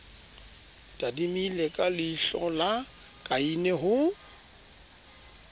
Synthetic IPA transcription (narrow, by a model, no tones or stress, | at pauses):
tʼadimilɛkʼalɪɬɔ̰la | kʼainɛɦʊ